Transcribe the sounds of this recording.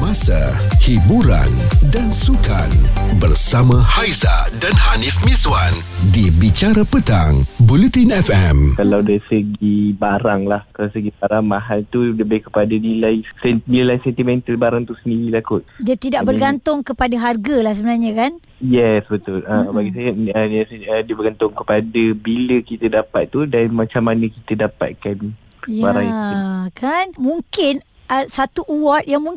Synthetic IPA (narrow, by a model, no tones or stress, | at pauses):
mãsa̰ | hibuɾa̰ndansuka̰nbərsamãhajza̰danhanifmizwandibit͡ʃaɾapət̪a̰ŋbulit̪inɛfɛmkalawdaisəɡibaɾaŋlahkalasəɡibaɾaŋmãɦalt̪uləbɛkə̥padanilajsɛnnilajsɛnt̪imɛ̃nt̪əlbaɾaŋt̪usəndiɾilakʊt̪̚diat̪idaʔbərɡant̪ʊŋkəpadaɦarɡalahs̬əbənarɲə̃kan | jɛsbət̪ʊləbaɡisajəənsədiəbərɡant̪ʊŋkəpadəbiləkit̪ədapa̰t̪̚ːudanmat͡ʃamːanə̃kit̪ədapa̰t̪̚kan | jbaɾaŋkʰanmũŋkɪn | əsat̪uʔuwɔt̪̚jaŋmuŋ